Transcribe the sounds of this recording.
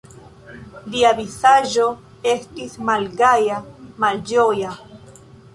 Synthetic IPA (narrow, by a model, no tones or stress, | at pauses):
liaβisaʒo | e̞stismalɡajamald͡ʒoja